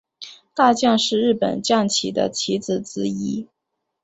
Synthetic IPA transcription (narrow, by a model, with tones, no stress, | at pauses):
t̪a˥˧t͡ɕjɑ˥˧ŋʂɻ̩˥˧ɻɻ̩˥˩pə̰˨˩nt͡ɕjɑ˥˩ŋt͡ɕʰi˧˥d̪ə̰˦t͡ɕʰi˧˥t͡sɹ̩˨˩t͡sɹ̩˧˥i˧˥